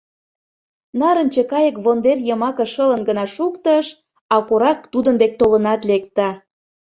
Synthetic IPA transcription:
nɑɾə̆nt͡ɕekɑjə̆kβond̪erjəmɑkə̆ʃələnɡənɑʃukt̪əʃ | ɑkoɾɑk̚t̪ud̪ənd̪ek̚t̪olənɑt̪lek̚t̪ɑ

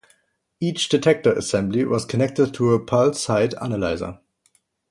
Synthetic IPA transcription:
it͡ʃd̥ɨtʰɛk̚tə˞ə̰sɛ̃mbliwʌz̥kʰənɛk̚təd̚tʰuəpʰalsaɪdæ̰nəlaɪzə̰˞

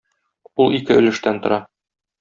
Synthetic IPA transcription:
ulˠikɘɵ̆lɘ̆ʃt̪ænt̪ŏɾɑ

